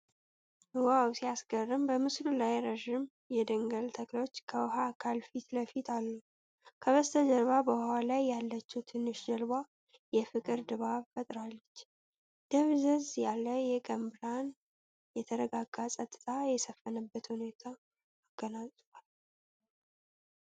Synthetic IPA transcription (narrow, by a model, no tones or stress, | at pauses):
ɨwawsijasɡərːɨmbəmɨslulajɾəʒɪm | jɛd̪əŋɡəlt̪ʰəklo̞t͡ʃːkʰəwɦakʰalfit̪ləfit̪ʰalːu | kʰəβəst̪ʰəd͡ʒəɾβabəhalajːalːət͡ʃːut̪ʰɨnːɨʃd͡ʒəlba | jɛfɨkʼɨɾd̪ɨβaβfət̪ʼɾalːət͡ʃː | d̪̥əβzəzjalːəjɛkʼəmbɨɾan | jɛt̪ʰəɾəɡaɡasʼət̪ʼːɨ̥t̪ʰʼajɛsəfːənəbːət̪hune̞t̪ʰaː | ɡ̥ːənasʼ | al